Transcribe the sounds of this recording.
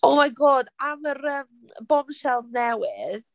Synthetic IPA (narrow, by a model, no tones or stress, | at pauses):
omajɡoːdaməɾəm | bɔnʃɛlˠznɛwɪð